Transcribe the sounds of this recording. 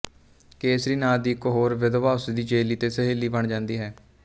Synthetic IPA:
keːsɾiːnaːd̪iːkɦoːɾʋɪd̪ʋaːsd̪iːd͡ʒeːliːt̪eːsəɦeːliːbəɳd͡ʒãːnd̪iːɦɛː

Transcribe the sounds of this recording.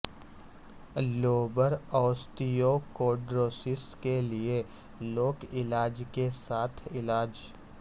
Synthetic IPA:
loːbəɾɔːst̪ijokoːɖɾoːsɪskelie | loːkɪlaːd͡ʒkesaːt̪ʰɪlaːd͡ʒ

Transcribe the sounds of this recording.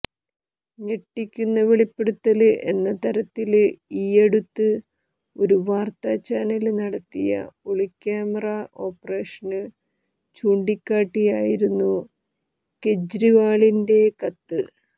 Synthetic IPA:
ɲeʈːikʲːunːɐʋeɭipːeɽut̪ːɐlʔe̞nːɐt̪ɐɾɐt̪ːilijeɽut̪ːɨ | o̞ɾuʋaːrt̪ɐt͡ɕaːnɐlnɐɽɐt̪ːijɐ̰oɭikʲːaːmɐrɐʔo̞ːpːɐreːʂɐnɨ | t͡ɕuːɳɖikʲːaːʈːijaːjiɾunːu | ke̞d͡ʑɾiʋaːɭinde̞kɐt̪ːɨ

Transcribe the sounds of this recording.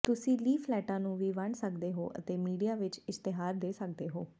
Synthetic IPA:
t̪ʊsĩːliːpʰlɛːʈãːnũːʋiːʋəɳsəkd̪eːɦo̰ːʔə̰t̪eːmiːɖijaːʋɪt͡ʃɪst̪ɪɦaːɾd̪eːsək̚d̪eːɦoː

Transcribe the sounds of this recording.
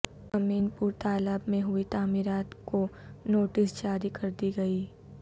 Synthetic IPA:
ɐmiːnpuːɾt̪aːləbmẽɦʊit̪aːmiɾaːt̪konoːʈɪsd͡ʒaːɾikɐɾd̪iɡɐiː

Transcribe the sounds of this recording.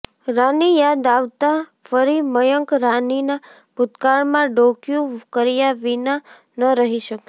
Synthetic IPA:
ɾanijad̪aʋt̪afəɾiməjəŋkɾanina | bʊt̪kaɭmãɖokjũkəɾijaʋina | nəɾəɦiʃəke

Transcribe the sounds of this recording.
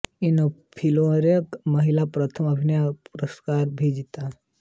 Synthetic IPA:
inopʰiloɾjəkməɦilapɾət̪ʰəməbʱinjapuɾəskaːɾbʱid͡ʒit̪a

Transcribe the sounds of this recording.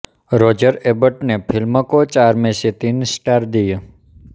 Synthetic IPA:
ɾɔd͡ʒəɾebəʈnepʰilməkot͡ʃaɾmeset̪insʈaɾd̪ijo

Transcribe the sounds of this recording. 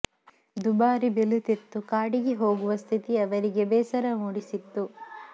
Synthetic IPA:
d̪ubaːɾibelut̪et̪ːukaːɽiɡeɦo̞ːɡuʋɐst̪ʰit̪iɐʋɐɾiɡebɛːsɐɾɐmuːɽisit̪ːu

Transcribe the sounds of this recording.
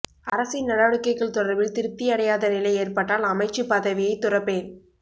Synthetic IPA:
ɐɾɐsɪnnɐɽɐʋɐɽɯkːɐɪkːɐɭt̪ʊɽɐɾbɪlt̪ɪɾɯt̪ːɪjɐɽɐjaːðɐnɪlɐɪeːrpɐʈːaːlɐmɐɪt͡ʃːɯpɐðɐʋɪjɐɪt̪ːʊrɐpːeːn

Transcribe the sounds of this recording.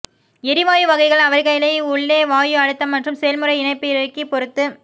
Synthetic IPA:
ɛɾɪʋaːjɯʋɐɣɐɪɣɐɭɐʋɐɾɣɐjlɐɪʊɭːeːʋaːjɯɐɽɯt̪ːɐmːɐʈrɯmsɛjɐlmɯrɐɪɪnɐɪpːɪɪɾɐɾkːipɔɾɯt̪ːɯ

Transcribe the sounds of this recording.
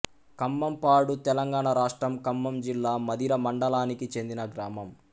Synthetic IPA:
kɐmːɐmpaːɽut̪ɛlɐŋɡaːɳɐɾaːʂʈɾɐmkɐmːɐmd͡ʒilːaːmɐd̪iɾɐmɐɳɖɐlaːnikit͡ʃe̞nd̪inɐɡɾaːmɐm

